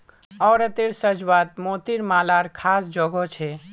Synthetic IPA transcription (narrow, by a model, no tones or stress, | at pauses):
ɔːɾət̪eɾsəd͡ʒʋat̪̚mot̪iɾmalaɾkʰasd͡ʒɔɡɔt͡ʃʰɛ